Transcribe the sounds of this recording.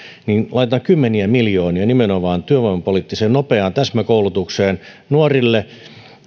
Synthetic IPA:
ninlʔɑit̪ɑŋkymːeniæmiljoːniɑnimenoʋɑːnt̪yøʋoimɑpoliˑt̪ːiseːnnopeɑnt̪æsmækoulut̪ukseːn | nuorilːe

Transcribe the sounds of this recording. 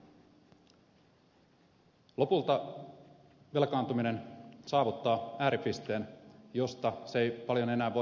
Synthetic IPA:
lo̞pult̪ɑ | ʋe̞lkɑːnt̪umine̞nsɑːʋut̪ːɑːæːɾipist̪e̞ːnjo̞st̪ɑsejpɑljo̞ne̞næːʋo̞

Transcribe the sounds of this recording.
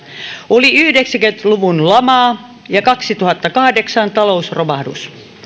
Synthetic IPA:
oliyhdeksæŋkønt̪luʋunlɑmɑː | jɑkɑksit̪uhɑt̪ːɑkɑhdeksɑnt̪ɑlousromɑhdṵs

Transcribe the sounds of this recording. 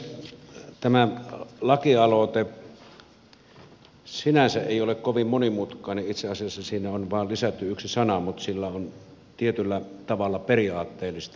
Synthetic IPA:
t̪æmælɑkiɑlot̪e | sinænsæʔʔeˑiolekkoʋimmonimut̪kˑɑˑːneʔʔit̪seɑsiɑsːɑsiːnæonʋɑˑːllisæt̪ːyyksisɑnɑmut̪silːæon | t̪iet̪ylːæt̪ɑʋɑlːɑperiɑːt̪ːeːlːˑist̪

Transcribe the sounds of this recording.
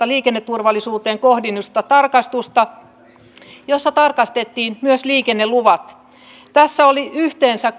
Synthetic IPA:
ɑliːkenːet̪ːurʋɑlːˑisuːt̪eːŋkohdinːust̪ɑt̪ɑrkɑst̪ust̪ɑ | josːɑt̪ɑrkɑst̪et̪ːiːnmyøsliːkenːeluʋɑt̪ | t̪æsːæoliyht̪eːnsæk

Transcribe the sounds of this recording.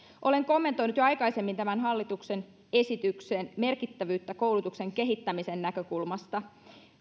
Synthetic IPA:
ʔo̞le̞ŋko̞mːe̞nt̪o̞jnut̪joɑjkɑise̞mːint̪æmænɦɑlːit̪ukse̞n | e̞sit̪ykseːnme̞rkit̪ːæʋyːt̪ːæko̞wlut̪ukse̞ŋke̞ɦit̪ːæmise̞nnækø̞kulmɑst̪ɑ

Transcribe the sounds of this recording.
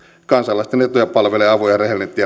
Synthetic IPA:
kɑnsɑlːɑist̪enet̪ːujɑpɑlʋeleːɑʋojɑrehelnet̪ːiː

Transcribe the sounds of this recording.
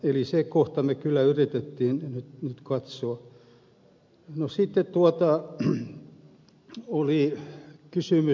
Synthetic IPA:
elisekoht̪ɑmekylːˑæyrit̪et̪ːiːnnyt̪nyt̪kɑt̪soɑ | nosit̪ːet̪t̪uɑt̪ɑ | olikysymy

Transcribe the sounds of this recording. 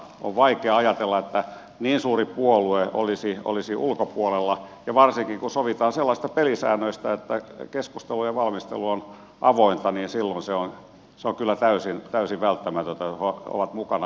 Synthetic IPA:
o̰ʋʋɑikeɑɑjɑt̪elːɑet̪ːæ | niːnsuːripuolueo̰lisio̰lisiʔulkopuolelːɑjɑʋɑrsiŋkiŋkusoʋit̪ɑːnselːɑsist̪ɑpelisæ̰ːnːˑøist̪æet̪ːækeskust̪elujɑʋɑlmist̪ḛluon | ʔɑʋoint̪ɑniːnsilːonseon | seoŋkylːæt̪æysint̪æysiʋʋælt̪ːæmæt̪ønt̪æoo̰ʋɑt̪mukɑnɑ

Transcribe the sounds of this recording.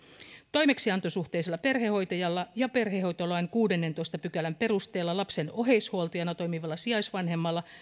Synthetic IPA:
t̪o̞jme̞ksiɑnt̪o̞suht̪e̞ːselːɑpe̞rheho̞jt̪ɑjɑlːɑjɑpe̞rɦe̞ho̞jt̪olɑenkuːde̞nːe̞nt̪o̞jst̪ɑpykælæmpe̞ɾust̪e̞ːlːɑlɑpse̞no̞ɦejshuolt̪ɑjɑnɑt̪ojmiʋɑlːɑsiɑjsʋɑnɦe̞mːɑlːɑ

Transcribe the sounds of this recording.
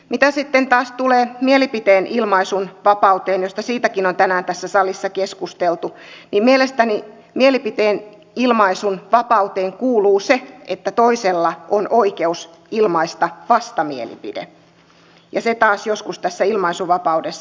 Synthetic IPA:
mit̪æsit̪ːent̪ɑːst̪uleːmielipit̪eːnʔilmɑisunʋɑpɑut̪eːnjost̪ɑsiːt̪ækinont̪ænæːnt̪æsːæsɑlisːɑkeskust̪elt̪unimmielest̪æni | mielipit̪eːn | ilmɑisunʋɑpɑut̪eːŋkuːluːseet̪ːæt̪oiselːɑʔonʔoikeus | ilmɑist̪ɑʋɑst̪ɑmiḛlḭpḭdḛ | jɑset̪ɑːsjoskust̪æsːæilmɑisuʋɑpɑudesː

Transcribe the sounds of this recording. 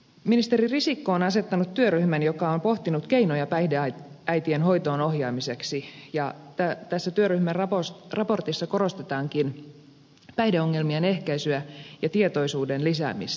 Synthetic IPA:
minist̪eririsikːoːnɑse̞t̪ːɑnut̪tːyøryhmænjokɑompo̞ht̪inut̪keinojɑpæideɑæjt̪ienho̞it̪o̞ːnohjɑːmise̞ksijɑt̪æt̪æsːæt̪yøryhmærrɑposrɑpo̞rt̪isːɑko̞ro̞st̪et̪ɑːŋkin | pæjdeo̞ŋːe̞lmiene̞hkæisyæjɑt̪iet̪o̞isuːdenlisæ̰ːmḭs

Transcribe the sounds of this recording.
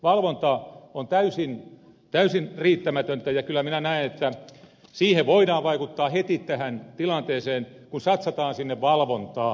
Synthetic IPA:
ʋɑlʋont̪ɑont̪æysin | t̪æysinriːt̪ːæmæt̪ønt̪æjɑkylːˑæminænæinet̪ːæsiːheʋʋoidɑːʋʋɑikut̪ːɑːhet̪it̪t̪æhænt̪ilɑnt̪eːseːn | kunsɑt̪sɑt̪ɑːnsinːeʋʋɑlʋont̪ɑː

